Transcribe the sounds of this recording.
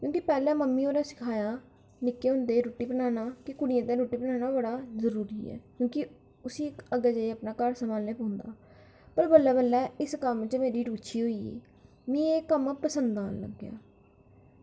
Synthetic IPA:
kjõːkipɛːlɛ̃ːməmːiːoːɾaːsɪ̥kʰaːjaː | nɪkːeːɦʊ̃nd̪eːɾoːʈːiːbənaːnaːkɪkʊɽɪjãːt̪ẽːɾoːʈiːbənaːnaːbəɽaːzəɾuːɾḭːɛ̰ːkjõːkɪ | ʊsĩːəɡaːd͡ʒaːiaːpnaːkəɾsəmaːleːpəɦʊnd̪a̰ː | pəɾbəlːɛːbəlːɛːɪskəmɪt͡ʃmeːɾiːʈʊːt͡ʃʃʰiːɦoːiːḛː | mĩːeːkəmpəsənd̪aːnlə̰ɡːja̰ː

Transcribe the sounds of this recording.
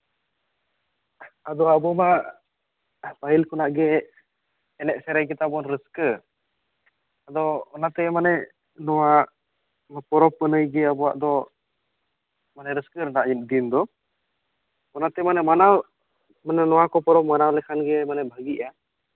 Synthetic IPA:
ad̪ɔabɔmaʔ | pailkunaʔɡɛː | nɛʔsɛɾɛk̬it̪abɔnɾəskə | ad̪ɔɔnat̪ɛmanɛ | nɔwaʔ | mapɔɾɔpːənəjɡɛabɔwa̰ʔd̪ɔ | manɛɾəskəɾnaʔimd̪ind̪ɔ | ɔnat̪ɛmanɛmanaw | manɛnɔwakɔpɔɾɔpmanawlɛkʰanɡɛmanɛbʱaɡiʔa

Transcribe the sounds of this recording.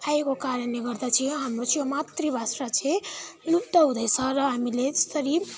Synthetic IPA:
pʰajkokaɾəneɡʌɾd̪at͡ʃʰĩɦəmɾot͡ʃʰiomat̪ɾibasɾat͡ʃʰelupt̪aud̪əjsʌɾʌamiled͡ʒt̪əɾib

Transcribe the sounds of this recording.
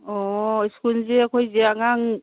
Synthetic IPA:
ɔjskunzeakʰojzeaŋaŋ

